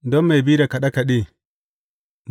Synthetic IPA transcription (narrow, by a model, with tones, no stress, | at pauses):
dɔ˦mmːa˨jbi˦ɾa˨ka˨ɗa˦ka˨ɗi˦˨ | m